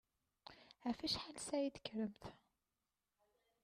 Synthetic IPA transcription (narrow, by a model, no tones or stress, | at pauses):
afæʃħalsæjid̪ə̥kːɾəmθ